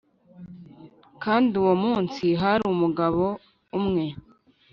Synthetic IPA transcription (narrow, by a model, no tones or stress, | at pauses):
kaːndiuwomuːnsiɦaɾumuɡaβo | umŋe̞